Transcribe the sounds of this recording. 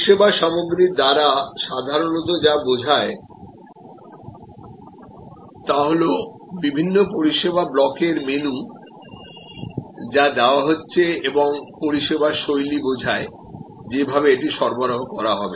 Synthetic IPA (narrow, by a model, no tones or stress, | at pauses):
ʃebaʃɔmoɡɾikd̪aɾaʃad̪ʱaɾonot̪̬od͡ʑabod͡ʑʱae | t̪aɦolo | bibʱinːopoɾiʃebʱablɔkeɾmenu | d͡ʑad̪eoaɦotːɕʰeeboŋpoɾiʃebaʃojlibod͡ʑʱae | d͡ʑebʱabeeʈiʃɔɾboɾoɦokɔɾaɦɔbe